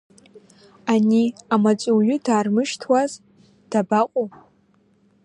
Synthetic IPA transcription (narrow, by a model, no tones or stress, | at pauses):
aniamat͡sʷʼuwɥʊdaːrmɨʃtʰwaz | d̥abaqʷʼo